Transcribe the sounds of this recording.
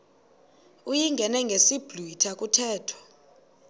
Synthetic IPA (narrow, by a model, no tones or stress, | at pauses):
ujiŋɡʱɛnɛŋɡʱesib̥luitʰakʼutʰɛːtʰɔ̥